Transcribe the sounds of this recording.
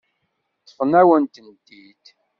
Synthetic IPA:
tːə̥fənæwənt̪ənt̪i | d̪

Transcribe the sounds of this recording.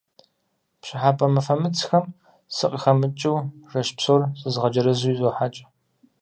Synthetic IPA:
pɕɪħaːpʼɐmɐfɐmɨt͡sʰxɐm | sɨqʼəxɐmɨt͡ʃʼɪwrɐʃpsorsʼɨzʁɐd͡ʒɐɾɐzujizoːħat͡ʃʼɐ̥

